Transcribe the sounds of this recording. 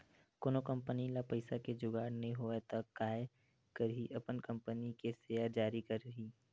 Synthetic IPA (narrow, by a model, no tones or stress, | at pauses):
koːnokə̃mpənilapəɪsaked͡ʒʊɡaːɾnɐɦĩɦoːet̪ɐkːaːe | kəɾɦiʔɐpənkɐ̃mpənikeseːaɾd͡ʒaːɾikɐɾəɦiː